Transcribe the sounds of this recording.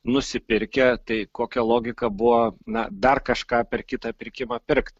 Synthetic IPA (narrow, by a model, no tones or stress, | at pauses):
nʊsʲɪpʲɪɾʲkʲɛt̪ɐɪkoːkʲɛlˠoːɡʲɪkɐbʊʋonɐd̪ɐrkɐʃkɑːpʲɛrkʲɪt̪ɑːpʲɪɾʲkʲɪmɑːpʲɪrkt̪